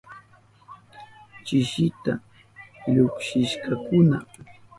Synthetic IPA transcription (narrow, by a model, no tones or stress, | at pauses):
t͡ʃɪʃɪt̪a̰ | ʎʊkʃɪʃkakʊna